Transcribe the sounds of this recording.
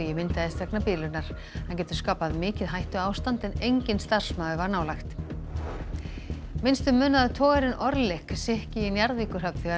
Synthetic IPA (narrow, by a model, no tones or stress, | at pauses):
jɛmɪnt̪aðɪst̪vɛknapiːlʏnaɾ̥ | hancɛːt̪ʏ̥skaːpaðmɪːcɪðɦajht̪ʏaːwst̪ant̪ɛnejɲcɪnst̪ar̥smaːðʏvaɾnaːwlajxt̪ | mɪnst̪ʏmːʏːnaðat̪ʰɔːɣɛɾɪnʔɔɾlɪhksɪhcɪinjaɾðviːkʏɾ̥ɦapθiɣa